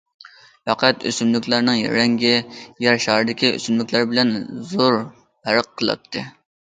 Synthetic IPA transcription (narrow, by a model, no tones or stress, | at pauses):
fæqʰæt̪ø̰symlykʲlˠæɾnɨŋjɛ̰ɾɛŋɡʲɪjɛɾʃɑːɾɨd̪ɪkʲiø̰symlykʲlæɾbɪlɛnzoɾ | pʰæɾəqʰːəlˠɑ̰t̪ʰːɨ